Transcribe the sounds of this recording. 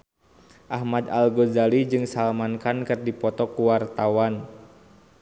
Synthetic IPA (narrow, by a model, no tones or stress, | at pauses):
ʔahmad̪alɡozalid͡ʒɨŋsalmankankɨrdipɔt̪ɔkuwart̪awan